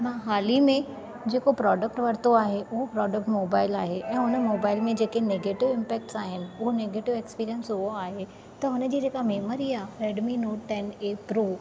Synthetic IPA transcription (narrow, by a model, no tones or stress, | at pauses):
mãːɦaːlimẽ | d͡ʑeːkopɾɔːɖək̚ʈʋɐɾt̪oaːɦeʊɦopɾɔːɖək̚ʈmoːbaːɪlaːɦeʔɛ̃ːʊnəmoːbaːɪlmẽd͡ʑeːkeneːɡeːʈɪʋɪ̃mpɛːk̚ʈsaːɦɪnɪ̆ʊɦoneːɡeːʈɪʋekspiːɾijənsɦʊɦoaːɦe | t̪ɐɦʊnə̆d͡ʑiːd͡ʑeːkameːməɾiaːɾeːɖminoːʈʈɛneːpɾoː